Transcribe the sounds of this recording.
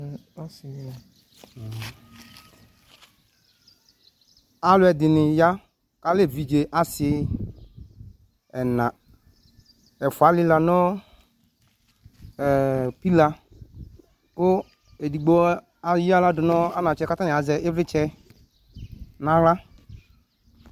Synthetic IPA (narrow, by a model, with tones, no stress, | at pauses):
a˦s | a˨lʊ˦ɛ˨dɪ˨nɪ˨ja˦ | ka˦le˦˨vi˨d͡ʒe˨ʔa˦sɪ˦ | ɛ˨nã˨ | ɛ˨fʊ˨a˨˦lɪ˦la˨nɔ˦˨ | pi˦la˨ | kʊ˦ | e˨di˨ɡ͡bo˦ | a˨ji˦a˦la˦dʊ˨nɔ˦a˦nã˨t͡ʃɛ˦ka˦ta˦nɪ̃˨a˨zɛ˨ɪ˦vɪ˦t͡ʃɛ˦ | nã˨la˦